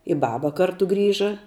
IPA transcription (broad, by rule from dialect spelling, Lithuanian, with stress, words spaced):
ɪ ˈbɑːbɐ ˈkɐrtʊ ˈɡrʲiːʒɐ